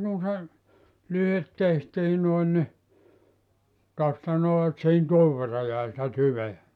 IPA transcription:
kun̞ se lyhet tehtiː noin ni tostɑ noː et sihin tuoʋ ʋerːɑ jæi sĭtæ tyʋeæ

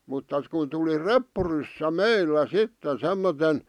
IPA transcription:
mutːɑ kun tuli repːurysːæ meilːæ sitːen semːoten

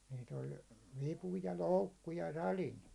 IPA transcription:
niːt olʲ ʋipu jɑ loukːu jɑ sɑlin

